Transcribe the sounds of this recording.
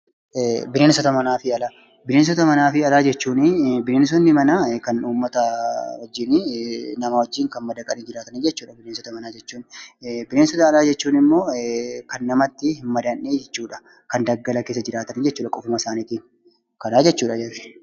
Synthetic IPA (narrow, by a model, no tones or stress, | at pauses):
bɪneːnsɔt̪ɐmɐnaːfɪɐlaː | bɪneːns̬ɔt̪ɐmɐnaːfɪɐlaːd͡ʒɛt͡ʃːuːnbɪneːns̬ɔnːɪmɐnakɐnuːmːɐt̪ɐwɔd͡ʒːɪnɪnɐmawɔd͡ʒːiːŋkɐnmɐd̪ɐkʼɐniːd͡ʒɪɾaːt̪ɐnid͡ʒɛt͡ʃːuːᶑɐbɪneːnsɔt̪ɐmɐnaːd͡ʒɛt͡ʃːuːnbɪneːnsɔt̪ɐːlaːd͡ʒɛt͡ʃːuːnɪmːo̞ːkɐnːɐmɐt̪ːɪhɪmːɐd̪ɐnːeːd͡ʒɛt͡ʃːuːᶑɐ̥ | kɐnd̪ɐɡːɐlɐkeːs̬ːɐd͡ʒɪɾaːt̪ɐniːd͡ʒɛt͡ʃːuːᶑɐkʼɔfʊmɐsaːniːt̪i | kɐnaːd͡ʒɛt͡ʃːuːᶑɐd͡ʒɐrɪ̥